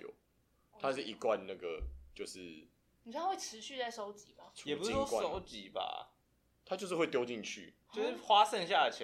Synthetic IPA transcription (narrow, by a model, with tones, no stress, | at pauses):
jo̰˨˩ | t̪ʰa˦ʂɻ̩˥˩ʔi˨˧kwa˥˨nna˥˩ɡə˩t͡ɕjo˥˧ʊʂɻ̩˥˩ | ni˨˩˥we˥˩ʈ͡ʂʰɻ̩˧˦ɕy˥˧t͡sa˥˩ɪso˥ʊt͡ɕi˨˦ba˨˦jɛ˨pu˦sswo˥kwaso˥˦˥ʊt͡ɕi˨˦ba̰˧ | t̪ʰa˦t͡ɕjo˥˧ʊʂ̬̩˥˧xwe˥˩ɪtjo˥ʊt͡ɕi˥˨ŋt͡ɕʰy̰˥˨˩t͡ɕo˥˧ʊʂɻ̩˥˩xwa˦sə˥˧nɕja˥˩ə˩t͡ɕʰ